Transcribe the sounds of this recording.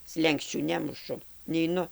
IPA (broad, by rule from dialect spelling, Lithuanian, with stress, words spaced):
ˈsʲlʲɛŋksʲt͡ʃʲuː ˈnʲæːmʊʃʊ nʲɛɪˈnʊ